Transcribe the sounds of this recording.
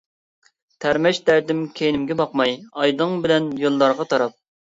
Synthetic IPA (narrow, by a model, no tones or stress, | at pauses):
t̪ʰæɾmɛʃd̪æɾd̪ɪmkʲʰejinɪmɡʲɛbɑqmɑjɑjd̪ɨŋbɪlɛnjolˠːɑɾʁɑt̪ʰɑɾɑp̚